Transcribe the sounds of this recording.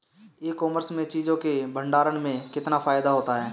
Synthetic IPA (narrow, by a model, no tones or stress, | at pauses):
eːkɔːməɾsmẽt͡ʃiːd͡ʒõkebʱə̃ɳɖaːɾənmẽkɪt̪nafaːɪd̪aɦoːt̪aɦɛː